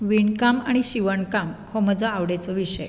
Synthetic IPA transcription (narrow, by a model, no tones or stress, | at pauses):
ʋiɳkamaɽ̃iɕiʋəɳkamhɔməd͡zʱaaʋɽet͡sɔʋiʂəj